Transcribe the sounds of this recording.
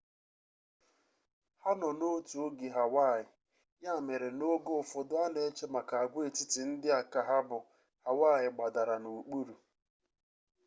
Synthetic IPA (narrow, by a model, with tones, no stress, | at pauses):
ha˦nɔ˨no˦tu˨o˦ɡi˨ɦa˨wa˦˨ɪ˨ | ja˦˨me˨ɾe˨no˦ɡo˦˨fʊ˨dʊ˦a˦ne˨e˦t͡ʃe˦ma˨ka˨a˨ɡʷe˦˨tɪ˦tɪ˨n̩˦dɪ˦a˨ka˨ɦa˦bʊ˨ | ha˨wa˦˨jɪ˨ɡ͡ba˨da˨ɾa˨nu˨k͡pu˦ɾu˨